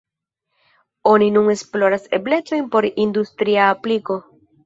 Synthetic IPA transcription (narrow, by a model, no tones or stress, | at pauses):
o̞ninuŋe̞splo̞ɾase̞ble̞t͡so̞jnpo̞ɾind̪ust̪ɾiaːpliko̞